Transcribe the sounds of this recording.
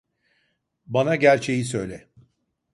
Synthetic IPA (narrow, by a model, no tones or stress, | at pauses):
banaɟæɾt͡ʃʰe̞jisø̞jlʲɛ